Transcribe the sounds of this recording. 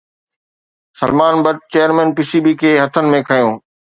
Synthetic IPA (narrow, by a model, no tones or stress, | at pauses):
sɐlmaːnbɐʈ̚t͡ɕeːjəɾmɛ̃ːnpisibikʰeːɦɐt̪ʰənɪ̆mẽkʰɐjõː